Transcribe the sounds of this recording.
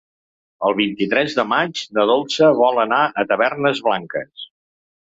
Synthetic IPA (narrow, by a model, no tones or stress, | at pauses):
əlˠβ̞int̪it̪ɾɛzðəmad͡ʒd̪əðolˠsəβɔlˠənaʔət̪əβɛrnəzβlaŋkəs